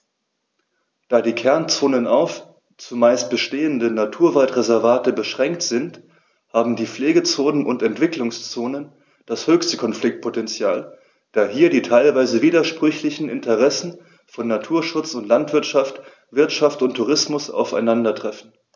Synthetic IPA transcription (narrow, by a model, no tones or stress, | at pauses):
d̥aːdiːkʰɛɐnt͡soːnənaʊf | t͡sumaɪst̚b̥əʃteːəndənatʰuːɐvaltʁezɛɐvaːtəbəʃʁ̥ɛŋk̚tz̥ɪnt | haːbm̩diːfleːɡət͡soːnənʔʊ̰ntɛntv̥ɪklʊŋst͡soːnən | d̥ashøːçstəkʰɔnflɪk̚t̚pʰotɛnt͡sjaːl | d̥aːɦiːɐdiːtʰaɪlvaɪzəviːdɐʃpʁ̥ʏçlɪçn̩ʔɪ̰ntʰəʁɛsn̩ | fɔnːatʰuːɐʃʊt͡sʊntlantv̥ɪɐtʃaft | v̥ɪɐtʃaftʊntʰːuʁɪsmʊsa̰ʊfa̰ɪnandɐtʁ̥ɛfn̩